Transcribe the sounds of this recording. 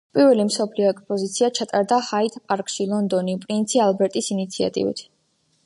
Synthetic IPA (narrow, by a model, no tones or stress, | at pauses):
pʼiɾvɛlimsɔpʰliɔɛkspʼɔzit̪sʰiat͡ʃʰat̪ʼaɾd̪ahait̪ʰpʼaɾkʼʃilˠɔnd̪ɔnipʼɾint̪sʰialˠbɛɾt̪ʼisinit̪sʰia̰t̪ʼḭvḭt̪ʰ